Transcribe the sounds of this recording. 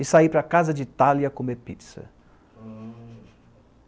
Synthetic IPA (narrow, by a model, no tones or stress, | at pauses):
ɪsaipɾɐkazɐd͡ʒɪt̪aliɐkomepit̪sɐ̰